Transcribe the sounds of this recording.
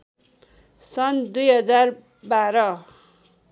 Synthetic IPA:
sʌnd̪ujɦʌd͡zar | baɾʌ

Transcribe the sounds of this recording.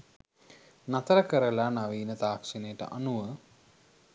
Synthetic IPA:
nat̪əɾəkəɾəlanaʋiːnət̪aːkʂinejəʈə̰ʔa̰nuʋə

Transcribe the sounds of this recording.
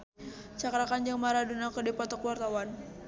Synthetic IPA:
t͡ʃakɾakand͡ʒaŋmaɾadunakədipat̪ɔkuwart̪awan

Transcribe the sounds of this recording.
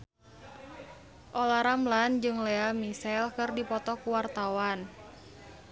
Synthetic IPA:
ʔolaɾamland͡ʒɨŋleamisɛlkɨrdipɔt̪ɔkuwart̪awan

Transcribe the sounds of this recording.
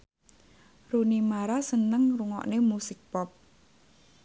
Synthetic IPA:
runimaɾasənəŋruŋɔ̰ʔnemusɪk̚pɔp̚

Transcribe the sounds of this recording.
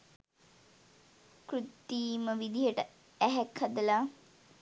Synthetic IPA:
kɾut̪ːiːməʋid̪iɦəʈə | æɦækhad̪əla

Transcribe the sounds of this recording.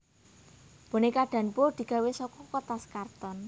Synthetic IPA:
b̥o̤nekaɖ̥ä̤npod̪̥i̤ɡ̥a̤wesɔkɔkɔt̪askart̪ɔn

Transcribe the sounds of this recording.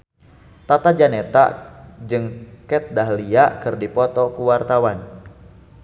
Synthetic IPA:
t̪at̪ad͡ʒanɛt̪a̰d͡ʒɨŋkɛt̪̚daɦliakɨrdipɔt̪ɔkuwart̪awan

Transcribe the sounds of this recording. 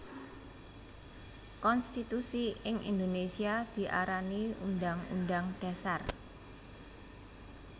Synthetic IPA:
kɔnst̪it̪usiɪŋʔḭnd̪onesiad̪̥i̤ʔa̰ɾaniundaŋṵndaŋɖ̥ä̤sar

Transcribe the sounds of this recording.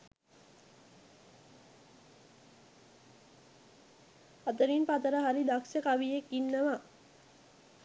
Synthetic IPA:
at̪əɾinpat̪əɾəɦaɾid̪aksəkaʋijekːinːəʋa

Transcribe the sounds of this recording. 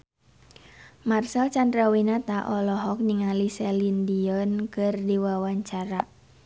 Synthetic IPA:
marsɛlt͡ʃandɾawinat̪aʔɔlɔɦɔk̚niŋalisɛlindiɔnkɨrdiwawaɲt͡ʃaɾa

